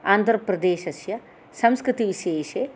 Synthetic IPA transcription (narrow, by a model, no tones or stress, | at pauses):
aːnd̪ʱɾɐpɾɐd̪eːʃɐsjɐ | sɐ̃mskɾɪt̪iʋiʃeːʃeː